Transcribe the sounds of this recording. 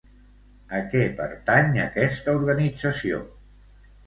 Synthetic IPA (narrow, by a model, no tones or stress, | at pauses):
əkɛpə̰ɾt̪aɲəkɛst̪əuɾɣənid͡zəsio̰